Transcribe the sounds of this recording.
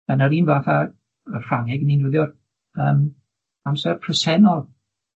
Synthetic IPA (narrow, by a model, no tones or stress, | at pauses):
ənaɾiːnvaθa | ər̥aŋɛɡəninuðjɔr | əːm | amsɛrpʰrəsɛnɔlˠ